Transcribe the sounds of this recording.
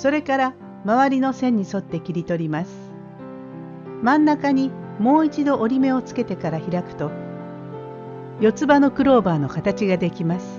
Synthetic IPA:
so̞ɾe̞kaɾa | maβaɾʲino̞sẽ̞ɲ̟ːiso̞t̪ːe̞kʲiɾʲit̪o̞ɾʲimasɨ̥ | mãnːakaɲ̟imo̞ːit͡ɕid̪o̞ʔoɾʲime̞o̞t͡sɨ̥ke̞t̪e̞kaɾaçiɾakɯ̟̥t̪o̞ | jo̞t͡sɨbano̞kɯ̟ɾo̞ːbaːno̞kat̪at͡ɕiɡad̪e̞kʲimasɨ̥

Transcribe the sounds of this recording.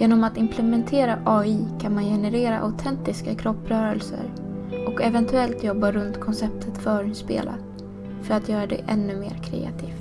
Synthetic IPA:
jeːnɔmat̪ɪmpʰlɛmɛnt̪ʰeːɾaʔɑːiːkʰanmanjɛnɛɾeːɾa̰ʔa̰ʊt̪ʰɛnt̪ɪskakʰɾɔpːɾœːɾə̰lsə̰ɾ | ɔkɛvɛnt̪ʰɵɛlt̪jɔbːaɾɵnt̪kʰɔnsɛp̚t̪ʰət̪fœːɾnspḛːlʔa̰ | fœɾat̪ʰjœːɾad̪ɛ̰ʔɛnːɵmḛːɾkʰɾɛ̰ːa̰t̪ʰiːftt̪

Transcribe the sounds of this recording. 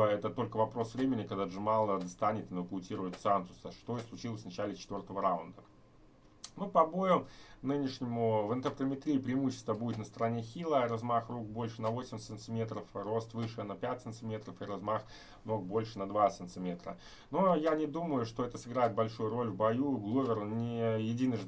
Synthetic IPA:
ɛt̪ət̪o̞lʲkəvɐpɾo̞svɾʲemʲɪnʲɪkɐɡd̪aʐɨmalˠəd̪ɐst̪anʲɪt̪ɨnvəkʊtʲiɾʊjɪt̪sansʊ̥səʂt̪oixslˠʊt͡ɕilˠəsʲvnɐt͡ɕælʲɪt͡ɕɪt̪vʲo̞rt̪əvəɾaʊnd̪ə | nupɐbo̞jʊnɨnʲɪʂnʲɪmʊvɨnt̪ərpɾəmʲɪt̪ɾʲiːpɾʲɪɪmuɕːɪ̥st̪vəbudʲɪt̪nəst̪əɾɐnʲe̞xʲilˠəɾɐzmaxruk̚bo̞lʲʂɨnɐvo̞sʲɪmʲsɨnt̪sɨmʲe̞t̪ɾəfro̞st̪vɨʂɨnɐpʲætʲtsɨnt̪sɨmʲe̞t̪ɾəfɨɾɐzmax | no̞k̚bo̞lʲʂɨnɐd̪vat̪sɨnsɨmʲe̞t̪ɾə̰ | nojanʲɪd̪uməjʊʂt̪o̞ɛt̪əsɨɡɾajɪt̪̚bɐlʲʂujʊɾo̞lʲvbɐjuɡlˠuvʲɪrnʲɪjɪdʲinəʐ

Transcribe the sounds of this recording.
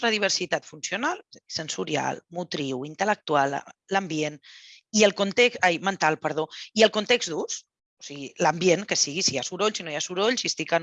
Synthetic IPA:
t̪ɾəðiβ̞əɾsit̪at̪funsiunalˠsənsuɾia̰lˠmut̪ɾiwint̪ələk̚t̪ual̰ˠləmbien | iəlˠkunt̪eksajmənt̪alˠpəɾð̞oiəlˠkunt̪eɡzd̪us | osiɣiləmbjenkəsiɣisijasuɾoʎsinojasuɾoʎsist̪ikən

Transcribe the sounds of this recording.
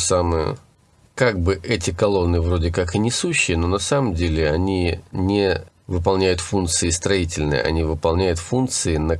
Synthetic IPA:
samɨjə̰ | kaɡ̚bɨʔɛtʲɪkɐlˠo̞nːɨvɾo̞dʲɪkakɨnʲɪsuɕːɪjəno̞nɐsaməmdʲelʲɪɐnʲinʲɪ | vɨp̬ɐlˠnʲæjʊt̪funt̪sɨɪst̪ɾɐitʲɪlʲnɨ̰jə̰ɐ̰nʲivɨpɐlˠnʲæjʊt̪funkt̪sɨɪnə

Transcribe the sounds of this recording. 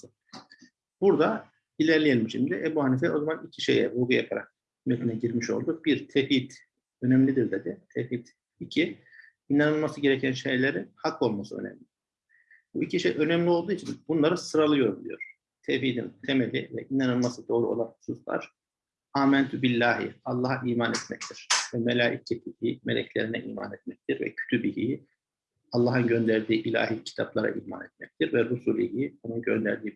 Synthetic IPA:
buɾd̪a | ilʲæɾlʲejelʲimʃimd̪iʔebuhanif̬ɛo̞zamanicʰiʃe̞̰jɛ̰buɾɡujapʰaɾa̰k̚ | met̪ʰinɛɟiɾmiʃo̞̰lˠd̪ubiɾt̪ʰefit̪ | ø̞nɛmlʲid̪iɾd̪ed̪ɪt̪ʰefit̪ | icʰi | inanɯlˠmasɯɟe̞ɾecʰænʃejlʲeɾinhako̞lˠmasɯø̞̰nɛ̰mlʲɪ | buicʰiʃejʔø̞nɛmlʲio̞lˠd̪uːit͡ʃʰinbunlˠaɾɯsɯɾalˠɯjo̞ɾbd̪ʲy̰jo̞̰ɾ̥ | t̪ʰevfiːd̪ḭnt̪ʰe̞melʲivɛ̰ʔinanɯlˠmasɯd̪o̞ːɾuo̞̰lˠanhu̥susvˠa̰ɾ̥ | aːmɛnt̪ʰybilʲːaːhḭalˠːaɦaʔiːmanɛt̪mɛc̚t̪ʰiɾ̥vɛmelʲaːʔḭcʰːɛt̪ʰihiːme̞̰lʲɛ̰cʰlʲeɾinɛʔiːma̰nɛt̪mɛc̚t̪ʰiɾvɛ̰cʰy̥t̪ʰybiɦḭ | alˠːaːɦɯnɟø̞nd̪æɾd̪iːʔilʲa̰ːɦicʰi̥t̪ʰaplˠaɾa̰ʔiːma̰ːnɛt̪̚mɛc̚t̪ʰiɾvɛɾusuːlʲihio̞nunɟø̞̰nd̪æɾd̪iː

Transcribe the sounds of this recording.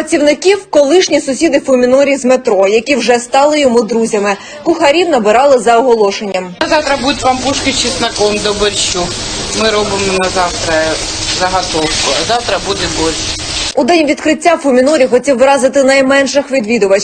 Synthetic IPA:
ɐt͡sʲiwnɪkʲiwkɔlˠɪʃnʲisʊsʲid̪ɪfʊmʲinɔɾʲizmet̪ɾɔjɐkʲiwʒɛst̪ɑlˠɪjɔmud̪ɾuzʲɐmɪ | kʊxɐɾʲiwnɐbɪɾɑlˠɪzɐɔɦɔlˠɔʃenʲːɐmɐzɑwt̪ɾɐbud̪tʲʋɑmpuʃkɪt͡ʃisnɐkɔmd̪ɔbɪrʲʃu | mɪɾɔbɪmɔnɐzɑwt̪ɾɐzɐɦɐt̪ɔwkʊɐzɑwt̪ɾɐbud̪ɛbɔzʲ | ud̪ɛnʲʋʲid̪kɾɪtʲːafʊmʲinɔɾʲixɔtʲiwʋɾɑzɪt̪ɪnɐjmɛnʃɪxʋʲid̪ʋʲid̪ʊʋɐt͡ʃ

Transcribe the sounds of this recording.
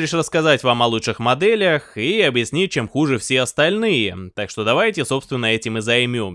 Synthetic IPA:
ɪʂrəskɐzatʲvamɐlˠutʂɨxmɐd̪ɛlʲəxiɐbjɪsʲnʲit̚ʲt͡ɕemxuʐɨfsʲeɐst̪ɐlʲnɨjət̪akʂt̪o̞d̪ɐvajtʲɪso̞pst̪vʲɪnːəɛtʲɪmɨzɐjmʲom

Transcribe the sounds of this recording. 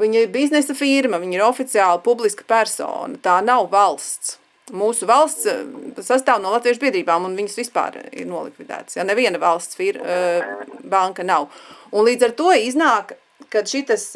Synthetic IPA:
viɲiɾbiznɛsɐfiɾmɐviɲiɾɔfit̪siaːlˠɐpublˠiskə̥pæɾso̰ːnɐt̪aːnawvalˠst̪s | muːsuvalˠst̪ssas̬t̪aːwnuɔlˠat̪viɛʃ̬biɛd̪ɾiːbaːmunviɲsʋispa̰ːɾḭɾnuɔlˠḭkʋid̪æ̰ːt̪sjanɛviɛnɐvalˠst̪sfiɾ | baŋkɐnawunlˠiːd̪zaɾt̪uɔiznaːk | kːad̪ʃit̪ɐs

